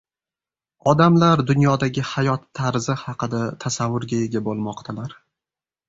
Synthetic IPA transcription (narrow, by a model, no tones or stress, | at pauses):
ɒd̪amlaɾd̪ʊnjɒd̪aɡʲɪhajɒt̪ʰːaɾzɪhɑqɨd̪at̪ʰasavːʊɾɡʲae̞ɡʲabolˠmɒqt̪ʰalaɾ